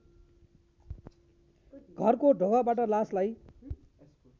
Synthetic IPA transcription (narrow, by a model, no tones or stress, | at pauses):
ɡʱʌrkoɖʱoɡabaʈʌlaslaj